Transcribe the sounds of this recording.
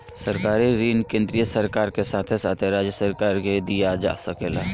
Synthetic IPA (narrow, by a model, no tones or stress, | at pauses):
səɾkaːɾiɾiːnkẽːnd̪ɾijəsəɾkaːɾkesaːt̪ʰesaːt̪ʰeɾaːd͡ʒjəsəɾkaːɾɡed̪ijad͡ʒa̰ːsəkeːla